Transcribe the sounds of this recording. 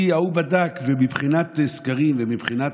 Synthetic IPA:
iaubad̪akvemibχinat̪skaʁimvemibχina

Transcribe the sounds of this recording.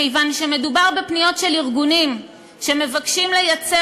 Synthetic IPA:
ejvanʃe̞me̞dubaʁbe̞pnijo̞tʃeliʁɡunim | ʃe̞me̞vakʃimle̞jat͡se

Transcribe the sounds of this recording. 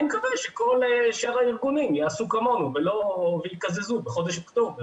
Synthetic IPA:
mekaveʃeko̞lʃaʁaiʁɡunimjaasukamo̞nuvelo̞vejikazezubeχo̞d̪eʃekd̪um

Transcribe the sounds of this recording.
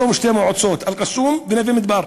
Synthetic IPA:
umɪʃt̪æmuʕʊd̪sˤoːt̪ʔælqɑsːuːmbɪnæfimɪt̪bɑːɾˤ

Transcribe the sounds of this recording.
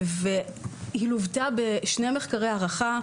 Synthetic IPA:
vehiluvtabeʃnemeχkaʁe̞jaʁaχa

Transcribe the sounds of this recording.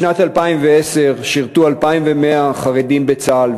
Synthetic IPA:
nat̪halpaimveese̞ʁʃiʁt̪ualpaimvemeaχaʁedimbet͡sal

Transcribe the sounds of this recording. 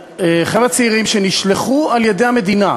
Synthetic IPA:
eχelat͡seiʁimʃeniʃleχualjed̪ejhame̞d̪ina

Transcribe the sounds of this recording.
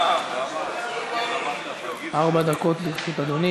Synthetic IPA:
ʔaʁbad̪ako̞t̪liʁʃut̪ad̪oni

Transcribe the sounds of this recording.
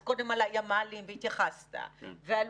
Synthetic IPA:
kodɛmalajamalimbit̪eχast̪a̰vɛl

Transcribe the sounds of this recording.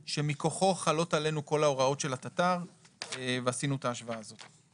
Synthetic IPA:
ʃe̞miko̞χo̞χalo̞tale̞nuko̞lao̞ʁao̞tʃe̞lat̪at̪aʁ | veasinuet̪aːʃvaaːzo̞t̪

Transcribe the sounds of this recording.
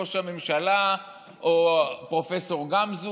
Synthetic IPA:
oʃame̞mʃala | ʔopʁo̞fe̞so̞ʁɡamzu

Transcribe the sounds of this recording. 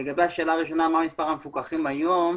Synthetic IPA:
eɡabeaʃe̞ːlaːʁiʃo̞naːmaʁmispaʁamefukaχimajom

